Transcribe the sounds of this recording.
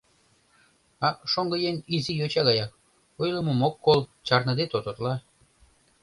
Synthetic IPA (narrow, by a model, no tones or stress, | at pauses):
ɑʃoŋɡəjenizijot͡ɕɑɣɑjɑk̚ | ojləmomokːolt͡ɕɑrnɤ̆d̪et̪ot̪ot̪lɑ